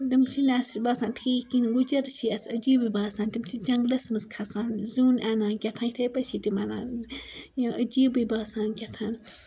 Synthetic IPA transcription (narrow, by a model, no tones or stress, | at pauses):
dimt͡ʃʰilʲaːsbaːsãːnt̪ʰiːkinɡud͡ʒɐɾt͡ʃʰiɐsɐd͡ʒiːbɨbaːsãːnt̪imt͡ʃʰid͡ʒɐŋɡlɐsmɨskʰɐsaːnzuːnanãːnkʲɐt̪ʰãːnt̪ʰɐːpɐt͡ʃʰiːtimana̰ːn | jiʔɐd͡ʒiːbɨbaːsaːnkʲɐt̪ʰaːn